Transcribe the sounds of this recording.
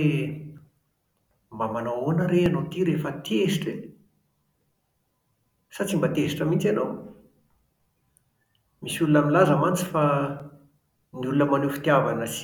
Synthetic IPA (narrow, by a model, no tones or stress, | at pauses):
mbamanowonəɾeanot̪iɾefət̪esiʈ͡ʂe | sat͡simbat̪esi̥ʈ͡ʂəmint͡sanow | misulunaminlazəmant͡si̥fa | niulunəmanufi̥t̪iavanəs